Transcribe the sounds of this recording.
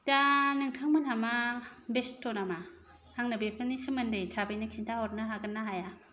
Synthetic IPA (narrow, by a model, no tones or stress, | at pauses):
danɯŋtʰaŋmɯnhamabestʰonama | haŋnabepʰɯnisɯmɯndɯjtʰabajnakʰintʰahɔt̚naɦaɡɯnːaɦaja